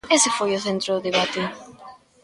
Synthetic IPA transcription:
esɪfojʊθent̪ɾʊðeβat̪e

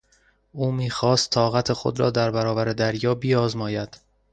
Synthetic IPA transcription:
ʔuːmiːxɒːst̪ʰːɒːɣæt̪ʰe̞xo̞̰d̪ɾɒ̰ːd̪æɾbæɾɒːbæɾed̪æɾjɒːbiɒːzmɒːjæd̪̥

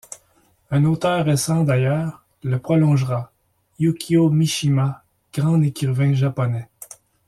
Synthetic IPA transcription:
ɛ̃not̪œːʁːesɑ̃d̪ajœːʁ | ləpχɔlɔ̃ʒʁa | jukʲʰiomiʃima | ɡ̥ʁɑ̃d̪ekʲyʁvɛ̃ʒapɔnɛ

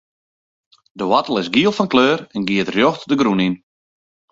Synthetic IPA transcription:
dəwɔtəlˠɪsɡiəlˠfɔnkløːrɛnɡiətrjoxtdəɡɾunin

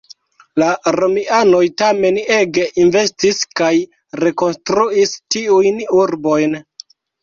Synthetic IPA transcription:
laɾomiano̞jtame̞ne̞ɡe̞ʔinve̞stiskaj | ɾe̞ko̞nstɾuistiujnuɾbo̞jn

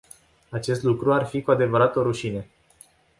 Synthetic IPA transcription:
at͡ʃe̞st̪lukɾuarfikuad̪e̞vəɾat̪oɾuʃine̞

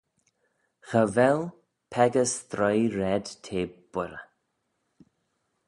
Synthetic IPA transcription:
xəvɛl | pʰɛɡəsθɾɔjɾɛd̪̥t̪ʰeːb̥ʊɾə̰

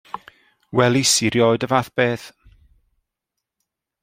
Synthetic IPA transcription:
wɛlˠisɪɾjɔjdəvaθb̥eːθ

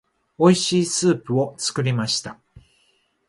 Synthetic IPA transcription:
o̞iɕiːsɨːpɯ̟o̞t͡sɨ̥kɯ̟ɾʲimaɕi̥t̪a

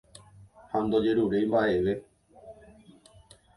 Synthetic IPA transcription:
hand̪od͡ʒe̞ɾuɾejmbaʔe̞ʋe̞

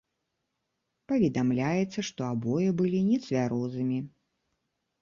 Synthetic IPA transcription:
pɐvʲɛd̪amlʲajɛt̪sːɐʂt̪ɔabɔjɛbɨlʲinʲɛt̪sʲvʲaɾɔzɨmʲi

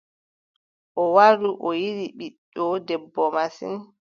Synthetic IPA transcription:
ʔɔwaɾuʔɔjiɾiɓiɗːɔdɛbːɔmasḭn

